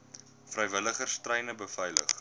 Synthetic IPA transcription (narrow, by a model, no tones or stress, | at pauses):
frəjvələχərstrəjnəbəfɐjlə̰χ